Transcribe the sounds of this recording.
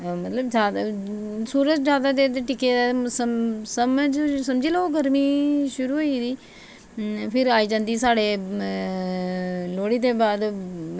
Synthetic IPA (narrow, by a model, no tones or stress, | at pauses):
mɐt̪ləbd͡ʒaːd̪ | suːɾət̪zaːd̪ad̪eːt̪eʈɪkeasəsɐməd͡ʒsɐmd͡ʒilooɡʱɐɾmiʃʊɾuɦoid̪iː | pʰɪɾaːid͡ʒãnd̪isaːɽe | loːɽit̪̬ebaːd̪